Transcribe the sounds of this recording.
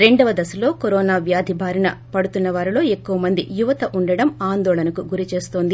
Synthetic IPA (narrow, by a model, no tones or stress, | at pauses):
ɾe̞ɳɖɐʋɐd̪ɐsɐlo̞ːkoɾɔːnaːʋjaːd̪ʱibʱaːɾɐnɐpɐɽut̪unːɐʋaːɾilo̞ːe̞kːuʋɐmɐnd̪ijuʋɐt̪ɐʔuɳɖɐɽɐmaːnd̪ɔːlɐnɐkuɡuɾit͡ʃe̞ːst̪o̞ːnd̪i